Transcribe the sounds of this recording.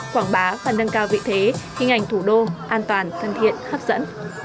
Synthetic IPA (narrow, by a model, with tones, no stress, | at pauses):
kwaː˧˩ŋɓaː˨˦vaː˨˩nːə˧ŋkaː˧wvḭ˧˨t̪ʰe˨˦xi˧ŋ̟ha˨˩jŋ̟t̪ʰu˧˩ɗo˧ʔaː˧nt̪waː˨˩nt̪ʰə˨˩nt̪ʰḭ˧˨ənhaː˦˥p̚zə̰˧˥n